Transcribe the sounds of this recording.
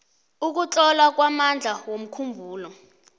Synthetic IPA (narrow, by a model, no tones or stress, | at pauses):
uk̬ut͡ɬʼɔlak̬wamand͡ɮʱawom̩kʰumbʱuːlɔ